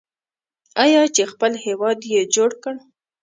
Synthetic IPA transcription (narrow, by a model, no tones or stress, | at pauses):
ɑjɑt͡ʃexpəlhewɑd̪jed͡ʒoɽkəɽ